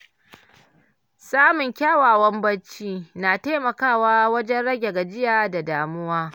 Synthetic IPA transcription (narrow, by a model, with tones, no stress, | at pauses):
saː˦mʊ˨ŋkʲaː˦waː˨wɐ˦mbɐ˦t͡ʃiː˦naː˨taː˦mɐ˨kaː˦˨waː˦wɐ˦d͡ʒɛ˦nɽɐ˦ɡʲe˨ɡa˨d͡ʒɪ˦jaː˨da˨daː˨mʊ˦waː˦